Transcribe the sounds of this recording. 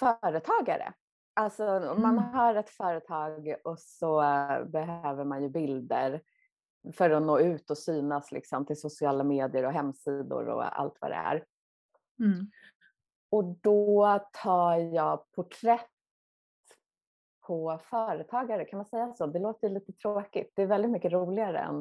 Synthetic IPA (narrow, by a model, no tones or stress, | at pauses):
fœːɾət̪ʰɑːɡa̰ɾə̰ | ʔalsɔmanɦaɾɛt̪fœːɾət̪ʰɑːɡɔsɔbɛɦøːvəɾmanjɵbɪld̪əɾ | fœɾɔnoːʉ̟ːt̪ɔsyːnaslɪ̰ksɔmt̪ʰɪlsʊsɪɑːlameːd̪ɪəɾɔɦɛmːsid̪ʊ̰ɾɔ̰a̰lt̪va̰d̪ɛ̰æ̰ɾ | ɔd̪ɔt̪ʰɑːjɑːɡpʰʊʈʰɾɛt̪ | pʰɔfœːɾət̪ʰɑːɡaɾəkʰanmansɛjːasoːd̪ɛloːt̪əɾjɵliːt̪ət̪ʰɾoːkɪt̪̚d̪̥ɛːɾvɛld̪ɪt̪mʏkːəɾuːlɪɡaɾə̰ɛ̰n